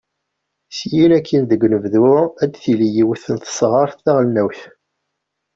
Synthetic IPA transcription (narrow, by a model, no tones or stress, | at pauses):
sjinækːinðəɡnəvðʊæd̪θilijiwθənt̪ə̥sˤʁəɾˤθæʁlnæwθ